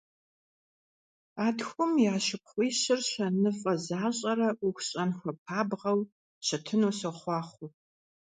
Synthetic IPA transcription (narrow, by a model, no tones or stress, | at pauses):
aːdxʷʊmjaːʃɨp̚χʷiːɕɪrɕɐnɨfʼɐzaːɕʼɐɾɐʔʊxʷɕʼɐnxʷɐpʰaːbʁɐw | ɕɐtʰɨnoːsɐχʷɑːχʷʊ